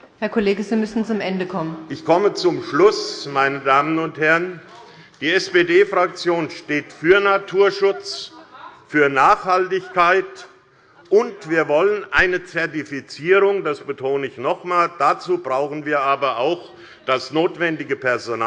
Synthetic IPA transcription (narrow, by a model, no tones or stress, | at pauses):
hɛɐkʰoleːɡəziːmʏsn̩t͡sʊmʔɛndəkʰɔmənʔɪçkʰɔmət͡sʊmʃlʊsmaɪnədaːmənʊnthɛʁən | d̥iːɛsb̥eːdeːfʁ̥ak̚t͡sjoːnʃteːtfyːɐnatʰuːɐʃʊt͡s | fyːɐnaːχhaltɪçkaɪt | ʔʊntv̥iːɐvɔlənʔaɪnət͡sɛɐtifit͡siːʁ̞ʊŋdasb̥ətʰoːnəɪçnɔχmaːld̥at͡suːbʁaʊxn̩viːɐʔaːbɐʔaʊx | d̥asnoːtv̥ɛndɪɡəpʰɛɐzonaː